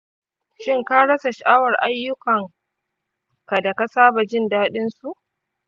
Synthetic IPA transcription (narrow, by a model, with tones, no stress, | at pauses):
ʃɪ˦ŋka˦ɽɐ˦sa˨ʃa˨ʔaː˦wɐ˨rʔa˦jːʊ˦kɐ˨ŋ | ka˨da˨ka˦saː˦ba˨d͡ʒɪ˦ndaː˦ɗɪ˦nsu˨ʔ